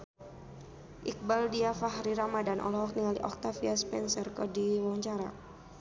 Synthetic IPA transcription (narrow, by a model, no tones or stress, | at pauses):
ʔik̚baldiafaɦɾiɾamadanʔɔ̰lɔɦɔk̚niŋalḭʔɔk̚t̪afiaspɛnsɛrkɔdiwɔɲt͡ʃaɾa̰